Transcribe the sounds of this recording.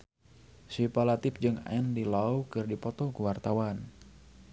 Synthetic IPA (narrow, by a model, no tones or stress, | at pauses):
sipalat̪ɪp̚d͡ʒɨŋa̰ɛndilawkɨrdipɔt̪ɔkuwart̪awan